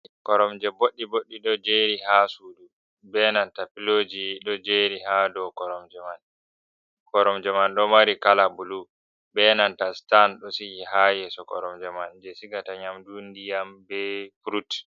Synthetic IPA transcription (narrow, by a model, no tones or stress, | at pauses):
kɔɾɔmd͡ʒɛboɗːiboɗːiɗɔd͡ʒeɾiɦasudu | bɛnantapilod͡ʒiɗɔd͡ʒeɾiɦadɔkɔɾɔmd͡ʒɛman | kɔɾɔmd͡ʒɛmanɗɔmaɾikalabulu | bɛnantastanɗɔsijiɦajɛsɔkɔ̰ɾɔmd͡ʒɛmand͡ʒɛsiɡataɲamdundijambɛfuɾut